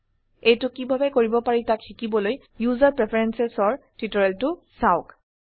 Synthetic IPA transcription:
ejtʊkibʱabɛkoɹibɔpaɹitakʰxikibɔloj | juzaɹpɹepʰaɹɛnsɛsɔɹtitɔɹɛltʊsaʊk

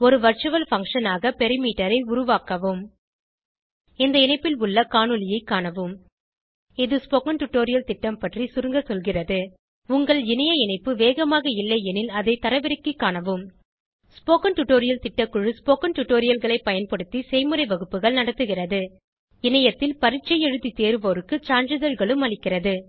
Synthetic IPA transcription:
ɔɾɯʋɐɾt͡ʃɯʋɐlfɐŋkʂɐnaːɣɐpɛɾɪmiːʈːɐɾɐɪʊɾʊʋaːkɐʋɯm | ɛnd̪ɐɪnɐɪpːɪlʊɭːɐkaːɳɯlɪjɐɪkːaːɳɐʋɯm | ɪðɯspoːkɐnʈʊʈːoːɾɪjɐlt̪ɪʈːɐmpɐʈrisʊɾɯŋɡɐsɔlɣɪrɐðɯ | ʊŋɡɐɭɪnɐjɐɪnɐɪpːɯʋeːɣɐmaːɣɐɪlːɐɛnɪlɐðɐɪt̪ɐɾɐʋɪɾɐkːɯkːaːɳɐʋɯm | spoːkɐnʈʊʈːoːɾɪjɐlt̪ɪʈːɐkːʊɻɯspoːkɐnʈʊʈːoːɾɪjɐlɣɐɭɐɪpɐjɐnpɐɽɯt̪ːisɛɪmɯɾɐɪʋɐɣɯpːɯɣɐɭnɐɽɐt̪ːɯɣɪrɐðɯ | ɪnɐjɐt̪ːɪlpɐɾɪt͡ʃːɐɪjɛɻɯt̪ːit̪eːɾɯʋoːɾɯkːɯt͡ʃaːɳɯðɐɻɣɐɭɯmɐɭɪkːɪrɐðɯ

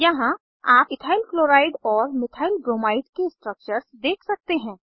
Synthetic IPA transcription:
jɐɦã | aːpɪt̪ʰaːɪlkloːɾaːɪɖɔːɾmɪt̪ʰaːɪlɡɾoːmaːɪɖkesʈɾək̚t͡ʃəɾsd̪eːkʰsɐk̚t̪eɦɛ̃ː

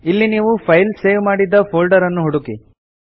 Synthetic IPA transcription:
ilːiniːʋupʰɐjlseːʋmaːɽid̪ːɐpʰoːlɖɐɾɐnːuɦuɽuki

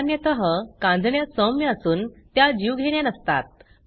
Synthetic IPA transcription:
njət̪əɦəkãnd̪ʱɳjasəmjəəsuːnt̪jad͡ʑiʋɡʱeɽjanəst̪a̰t̪̚

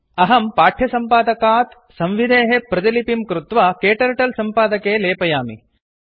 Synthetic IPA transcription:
ɐɦɐmpaːʈʰjɐsɐmpaːd̪ɐkaːt̪ | sɐ̃mʋid̪ʱeːɦepɾɐd͡ʒ̪ɐlipimkɾut̪ʋakeːʈɐɾʈɐlsɐmpaːd̪ɐkeːleːpɐjaːmḭ

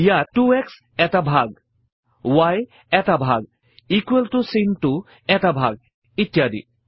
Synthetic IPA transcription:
jaʈuɛks | ɛtabʱaɡ | waj | ɛtabʱaɡ | ikueltusinʈu | ɛtabʱaɡ̚ | it̪jad̪ḭ

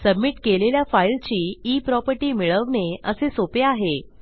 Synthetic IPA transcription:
səbmiːʈkeleljafailt͡ɕiːiːpɾɔpəɾʈiːmiɭəʋɳeəsesopeaɦe

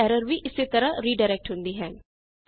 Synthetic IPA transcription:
ɛːɾəɾʋiʔɪsit̪əɾəɾiːɖaːɾɛk̚ʈɦʊ̃nd̪iɦɛː

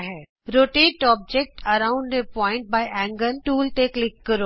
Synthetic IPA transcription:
ɦɛ | ɾoːʈeʈɔːb̚d͡ʒek̚ʈʰɐɾãʊ̃ɳɖ̪epɔ̃ːɪ̃ɳʈ̚baːɪʔɛ̃ŋɡənʈuːlʈeklɪkːəɾoː

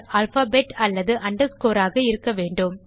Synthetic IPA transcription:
ɐːlfaːbeːʈɐlːɐðɯʔɐɳɖɐɾskoːɾaːɣɐɪɾɯkːɐʋeːɳɖɯm

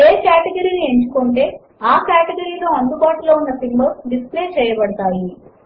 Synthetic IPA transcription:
eːkaːʈɐɡɐɾiːnie̞ɲt͡ʃu̥koːɳʈe̞ː | aːkaːʈeɡɐɾiːlo̞ːɐnd̪ubaːʈulo̞ːunːɐsimbɐɖisple̞ːt͡ʃɛːjɐbɐɽɐt̪aːji

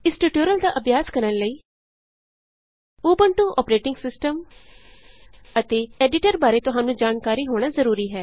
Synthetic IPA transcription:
ɪsʈuːʈjoːɾəld̪aːʔəbjaːskəɾənləiː | uːbəɳʈũːʔɔːpɾeːʈɪ̃ŋɡsɪsʈəm | ət̪eːɛːɖɪʈəɾbaːɾeːt̪ʊɦãːnũːd͡ʒaːnkaːɾiːɦoːɽ̃aːzəɾuːɾiːɦɛː

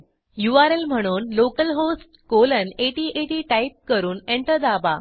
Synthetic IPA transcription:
juaɾelm̤əɽ̃uːnlokəlɦosʈkoləneʈiʔeʈiːʈaip̚kəɾuːneɳʈəɾd̪aba̰

